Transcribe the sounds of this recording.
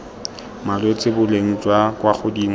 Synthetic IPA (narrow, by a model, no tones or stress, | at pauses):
malet͡sʼɪbʊleŋ̩t͡sʼwakwaχʊdiŋ